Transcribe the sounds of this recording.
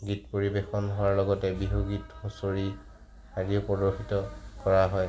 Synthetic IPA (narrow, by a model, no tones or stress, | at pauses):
ɡitpoɹibexɔnɦʊwaɹlɔɡɔtɛbiɦoɡithosoɹi | adiopɔdoxitɔkɔɹaɦɔj